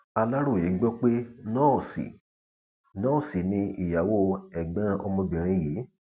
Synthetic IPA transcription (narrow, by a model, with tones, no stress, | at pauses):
a˧la˦ɾo˦˨i˨˦ɡ͡bɔ˦k͡pe˦nɔ̃ː˦˨sḭ˨ | nɔ̃ː˦˨si˨nĩ˧i˨ja˨wo˦˧ɛ˨ɡ͡bɛ̃˨˦˧ʔɔ˧mɔ̃˧bĩ˨ɾ̃ĩ˧ji˨˦